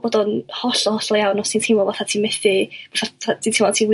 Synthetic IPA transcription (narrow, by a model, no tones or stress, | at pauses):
bodɔnhɔɬɔhɔɬɔjawnɔsintʰɪmɔvaθatʰiːmɛθɪvaθaatʰiːntʰɪmɔtʰiːw